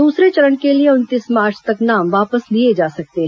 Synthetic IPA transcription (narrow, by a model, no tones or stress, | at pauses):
d̪uːsɾet͡ʃəɾəɳkelieʊnt̪ɪsmaːɾt͡ʃʰt̪əknaːmʋaːpəslied͡ʒaːsək̚t̪eː